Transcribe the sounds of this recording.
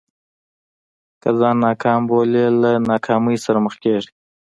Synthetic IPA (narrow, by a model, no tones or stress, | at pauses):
kəzɑːnːɑːkʰɑːmbolelanɑːkʰɑːməjsaɾaməxkeʐi